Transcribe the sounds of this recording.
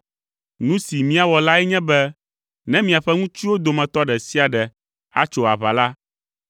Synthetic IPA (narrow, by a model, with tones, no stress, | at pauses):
nũ˦si˨mĩ˦a˨wɔ˨la˦ɛ˦ɲɛ̃˦bɛ˦ | nɛ̃˦mĩ˨a˨ɸɛ˦ŋũ˦t͡ʃi˦wo˦d̪o˨mɛ̃˨t̪ɔ˦ɖɛ˨si˦a˨ɖɛ˨ | a̰˦t͡ʃo˨a̰˨βa̰˨la˦